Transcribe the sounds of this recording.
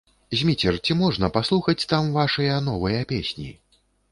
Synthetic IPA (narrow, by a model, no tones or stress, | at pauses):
zʲmʲit͡sʲɛrt͡sʲimɔʐnɐpaslˠuxɐt͡sʲt̪amvaʂɨjɐnɔvɐjɐpʲesʲnʲḭ